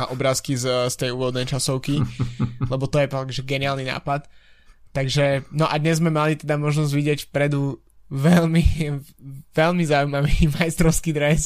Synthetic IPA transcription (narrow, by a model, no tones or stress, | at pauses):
aʔɔbɾaːskizst̪ɛjuːʋɔd̪nɛjt͡ʃasɔʊkilɛbɔt̪ɔjɛpakʒɛɡɛniaːlnina̰ːpat̪ː | aɡʒɛnɔʔad̪ɲɛzzmɛmalit̪ɛd̪amɔʒnɔzɟʋiɟɪɛcfpɾɛd̪u | ʋɛlmi | ʋɛlmizaujmaʋimajst̪ɾɔʊskid̪ɾɛs